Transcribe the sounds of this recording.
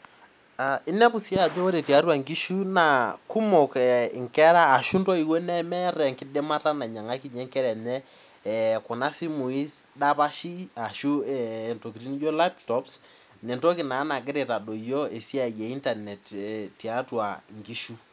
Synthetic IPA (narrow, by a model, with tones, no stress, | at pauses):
a˨ɪ˦nɛ˦pu˨si˦a˨d͡ʒo˦ɾe˨ti˨a˦twa˨ŋɡi˦ʃu˦na˨ku˦mo˨kŋkɛ˦ɾaː˦˨ʃu˦ntɔ˦i˨wo˦nɛ˦mɛ˦ɾɛ˨ŋkɪ˦de˦ma˦ta˦na˨ɲa˨ŋa˦ki˦ɲɛ˦ŋkɛ˦ɾɛ˨nɛ˦˨ | kɔ˨na˦si˦mu˨i˦sda˦pa˦ʃi˦a˨ʃu˦ɛ˨nto˨ki˨ɾi˦ni˦jo˦la˦ptɔ˦ps | nɛ˨nto˦ki˨na˨˦na˨ɡɪ˦ɾe˨ta˨do˨jo˦e˨si˦a˨je˨i˦nta˨nɛ˨tɛ˨tːi˨a˦twa˨ŋɡi˦ʃu˦